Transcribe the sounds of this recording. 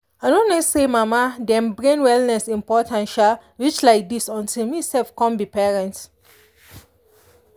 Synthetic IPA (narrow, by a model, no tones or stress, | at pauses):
anõnesemamadɛ̃mbɹẽnwɛlnɛsĩmpɔtʰãnʃalwit͡ʃlaɪk̚disɔ̃ntilmisɛlfkɔ̃nbipɛɹɛ̃nt